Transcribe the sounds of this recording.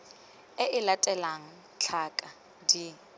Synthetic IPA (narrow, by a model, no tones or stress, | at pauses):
ɪʔɪlatʼɛlaŋ̩ | t͡ɬʰakʼa | di